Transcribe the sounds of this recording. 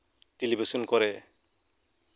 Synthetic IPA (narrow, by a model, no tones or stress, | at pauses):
ʈelibʱisɔnkɔɾe